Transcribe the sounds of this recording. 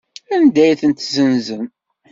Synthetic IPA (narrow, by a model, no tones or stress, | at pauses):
ænd̪æjθənt̪zənzən